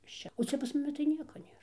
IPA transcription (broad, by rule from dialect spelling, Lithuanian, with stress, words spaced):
ɪʃ ˈt͡ʃʲɛ oː ˈt͡sʲɛ pɐs mʊˈmʲɪ tɐɪ ˈnʲiɛkɐ ˈnʲeːr